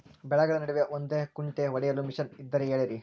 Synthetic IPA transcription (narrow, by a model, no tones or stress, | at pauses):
bɛɭɐɡɐɭɐnɐɽuʋijɐʔond̪ekuɳʈeʋɐɽɛjɐlumiʃɐnid̪ːɐɾeeːɭeɾi